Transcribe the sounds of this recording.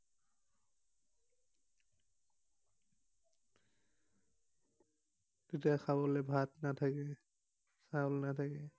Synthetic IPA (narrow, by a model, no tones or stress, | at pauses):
zitaxʰabɔlɛbʱatnatʰakɛ | saɔlnatʰakɛ